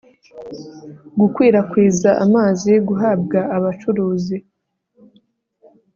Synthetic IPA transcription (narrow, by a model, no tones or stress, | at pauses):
ɡukwiːɾakwiːzaʔamaːziɡuɦaːb̚ɡaːβat͡ʃuɾuːzi